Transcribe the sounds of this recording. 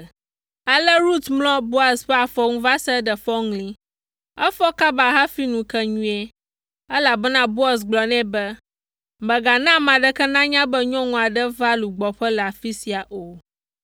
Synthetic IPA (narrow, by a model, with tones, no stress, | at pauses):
a˨lə˦ɾu˦t̪mlɔ̃˦bo˦a˨sɸɛ˦a˨fɔ˦ŋũ˦va˦sə˦ɖə˨fɔ˦ŋlĩ˨ | ɛ˦fɔ˦ka˦ba˨ɦa˦fi˦nũ˨kɛ˦ɲũ˦ɛ˦ | ɛ˦la˨bɛ˦nã˦bo˦a˨s̬ɡ͡blɔ˨nɛ̃˦bɛ˦ | mɛ̃˨ɡa˨nã˦mã˨ɖə˦kə˦nã˦ɲã˦bə˦ɲɔ̃˦ŋũ˨a˨ɖə˦va˦lu˨ɡ͡bɔ˨ɸə˦lə˨a˨fi˦si˨a˨ʔo˨